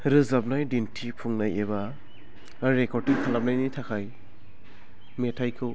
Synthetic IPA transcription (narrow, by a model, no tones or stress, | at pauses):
ɾɯzap̚najdintʰipʰuŋnajeba | ɾekɔtiŋkʰalap̚najnitʰakʰaj | metʰajkʰɯw